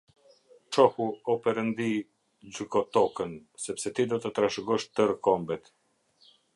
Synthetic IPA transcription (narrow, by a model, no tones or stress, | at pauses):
t͡ʃɔhuɔpɛɾənd̪i | d͡ʑykɔt̪ɔkənsɛpsɛt̪id̪ɔt̪ət̪ɾaʃɡɔʃt̪əɾəkɔmbɛt̪